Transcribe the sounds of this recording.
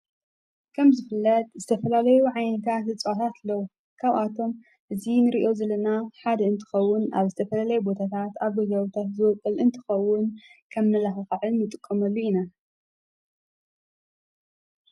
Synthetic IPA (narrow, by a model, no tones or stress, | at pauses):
kʰɐmzɨfɨlːɐt̪̚ʼzɨt̪ʰɐfɐlalɐjuʕajnɐt̪ʰat̪ɨt͡sʼɨwat̪ʰat̪lːɐw | kʰaβʔat̪ʰo̞m | ʔɨzinɨɾiʔo̞zɐlɐnaħad̪ɐɨnt̪ʰɨ̥xɐwːʊna̰βzɨt̪ʰɐfɐlalɐjubo̞t̪ʰat̪ʰat̪aβɡɨɡɐwut̪ʰat̪zɨwɔkʼɨlʔɨnt̪ʰɨ̥xɐwːʊnkʰɐmnɐlaxɨxɨʕɨnːɨt̪ʼɨkʼːɐmɐlːuina